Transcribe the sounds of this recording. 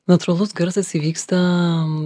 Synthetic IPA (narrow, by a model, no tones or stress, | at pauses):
nɐt̪uɾɐlˠʊsɡɐɾsɐsiʋʲiːkst̪ɐ